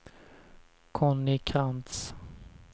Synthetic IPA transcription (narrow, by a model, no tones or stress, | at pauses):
kʰɔnːɪkʰant̪s